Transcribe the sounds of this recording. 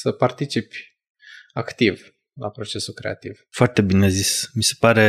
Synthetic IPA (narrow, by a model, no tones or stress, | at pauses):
səpart̪it͡ʃipʲ | akt̪iv | la̰pɾo̞t͡ʃe̞sulkɾe̞̰a̰t̪iv̥foart̪ebine̞zismise̞paɾe̞